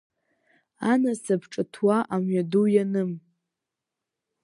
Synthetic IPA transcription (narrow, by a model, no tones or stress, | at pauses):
anasabʰʈ͡ʂʼɨtʰwaʔamɥadujanɨm